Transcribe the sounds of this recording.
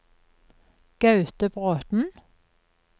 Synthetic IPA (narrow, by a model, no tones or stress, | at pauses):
ɡ̥ɑʉt̪əbʁoːt̪n̩